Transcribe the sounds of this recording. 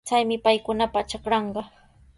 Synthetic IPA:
t͡sajmɪpajkʊnapat͡ʃakɾɑɴɢɑ

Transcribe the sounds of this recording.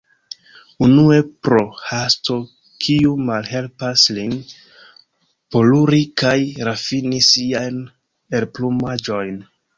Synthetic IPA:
unue̞pɾohasto̞ | kʰiumalhe̞lpaslin | po̞luɾikajɾafinisiajn | elplumad͡ʒo̞jn

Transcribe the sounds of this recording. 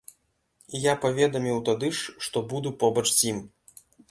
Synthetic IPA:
japavʲɛd̪ɐmʲiwt̪ad̪ɨʂʂt̪ɔbud̪upɔbɐt͡ʂsʲim

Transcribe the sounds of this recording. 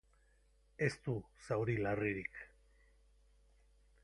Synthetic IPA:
e̞st̪usawɾilariɾik

